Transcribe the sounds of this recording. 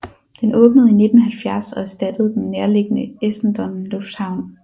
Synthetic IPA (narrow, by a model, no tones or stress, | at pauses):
d̥enʔɔ̽ːb̥nəð̩ˠine̝d̥n̩ɦælfjæɐsɒ̽æɐsd̥æd̥əð̞̩ˠd̥enːeɐle̝ɡ̥ənəesn̩d̥ɒ̽mlɔ̽fd̥hɑ̈ʊ̰n